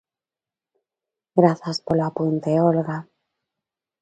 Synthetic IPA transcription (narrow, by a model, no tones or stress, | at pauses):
ɡɾaθaspoloapunt̪eolɣa